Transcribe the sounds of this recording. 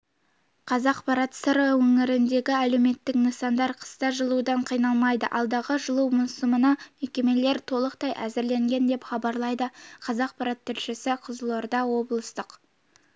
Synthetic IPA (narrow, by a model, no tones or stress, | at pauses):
qʰɑzɑqpʰɑɾɑt̪səɾəwɵŋɪɾɪnd̪e̞ɡʲɪæle̞wme̞t̪ːɪknəsɑnd̪ɑɾqʰə̥st̪ɑʒəlˠud̪ɑɴqʰijnɑlˠmɑjd̪ə̰ʔɑlˠd̪ɑʁəʒəlˠuwmɑsəmənɑmekʲe̞me̞le̞ɾt̪ʰo̞lˠəq̚t̪ɑjʔæzɪɾle̞ŋɡʲe̞nd̪e̞pχɑbɑɾlˠɑjd̪əqʰɑzɑq̚pʰɑɾɑt̪ʰːʏlʃɪsɪqʰəzlˠoɾd̪ɑwo̞blˠəst̪əq